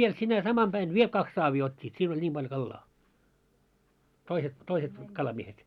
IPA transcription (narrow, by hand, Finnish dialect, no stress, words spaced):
ʋiel sinæ sɑmɑm b̥æin ʋiel kɑks sɑːʋiː otʲːiːt siːn olʲ nʲim b̥ɑlj̆ŏ kɑlːɑː toiset toiset kɑlɑmiehet